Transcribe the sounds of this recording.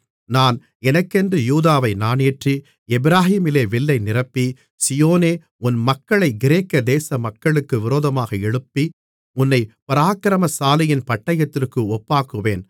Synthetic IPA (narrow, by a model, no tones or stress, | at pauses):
naːn | ɛnɐkːɛndrɯjuːðaːʋɐɪnaːneːʈri | ɛbɪɾaːhiːmɪleːʋɪlːɐɪnɪrɐpːi | sɪjoːneː | ʊnmɐkːɐɭɐɪɡɪɾeːkːɐd̪eːsɐmɐkːɐɭɯkːɯʋɪɾoːðɐmaːɣɐɛɻɯpːi | ʊnːɐɪpɐɾaːkɪɾɐmɐsaːlɪjɪnpɐʈːɐjɐt̪ːɪrkɯɔpːaːkɯʋeːn